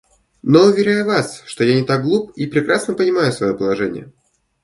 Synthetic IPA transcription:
no̞ʊvʲɪɾʲajʊvasʂt̪o̞janʲɪt̪aɡ̚ɡlˠup̚ipɾʲɪkɾasnəpənʲɪmajʊsvɐjo̞pəlˠɐʐɛnʲɪ̰jə̰

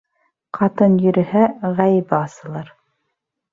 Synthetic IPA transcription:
qʰɑt̪ɤnjɵ̆ɾɘ̆hæʁæjɘ̆bɘɑsɤ̆lˠɑɾ

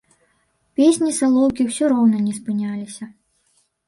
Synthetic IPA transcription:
pʲesʲnʲisalˠɔwkʲiwsʲɔɾɔwnɐnʲɛspɨnʲalʲisʲɐ

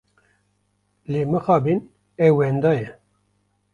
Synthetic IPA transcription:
leːmɨxɑːbin | ɛwɛnd̪ɑːjɛ

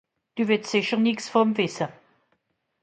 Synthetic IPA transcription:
d̥uvɪssɪçəʁnɪksfɔmvɪsə

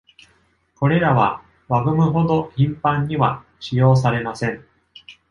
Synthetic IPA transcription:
ko̞ɾe̞ɾaβa | βaɡɯ̟mɯ̟ɦo̞d̪o̞çĩmpãɲ̟ːiβa | ɕijo̞ːs̬aɾe̞masẽ̞ŋ

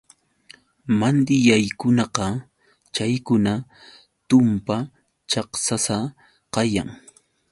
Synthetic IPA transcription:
mand̪ɪjajkʊnɑqɑ | t͡ʃajkʊna | t̪ʊmpa | t͡ʃɑχsasa | qɑja̰ŋ

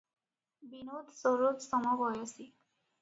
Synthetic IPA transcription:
binot̪soɹot̪sɔmɔɡɔjasi

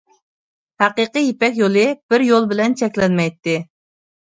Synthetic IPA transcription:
hæqɨqɨjepɛkʲjolˠɨb̥ɪɾjolˠbɪlɛnt͡ʃʰɛkʲlɛnmɛjt̪ːɪ

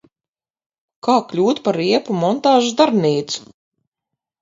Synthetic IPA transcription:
kaːklʲuːt̪paɾiɛpumɔnt̪aːʒud̪aɾniːt̪su̥

